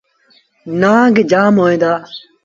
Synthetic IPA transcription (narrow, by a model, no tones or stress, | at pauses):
naːɡd͡ʒaːmɦoːẽːd̪aː